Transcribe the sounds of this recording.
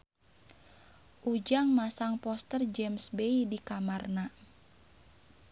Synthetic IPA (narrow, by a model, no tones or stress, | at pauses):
ʔud͡ʒaŋmasaŋpɔst̪ərd͡ʒɛmsbeidikamarna